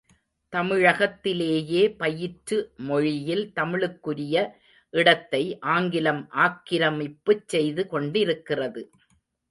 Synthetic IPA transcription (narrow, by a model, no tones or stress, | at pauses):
t̪ɐmɪɻɐɣɐt̪ːɪleːjeːpɐjɪʈɾɯmɔɻɪjɪlt̪ɐmɪɭɯkːɯɾɪjɐ | ʔɪɽɐt̪ːɐɪʔaːŋɡɪlɐmʔaːkːɪɾɐmɪpːɯt͡ʃsɛjðɯkɔɳɖɪɾɯkːɪrɐðɯ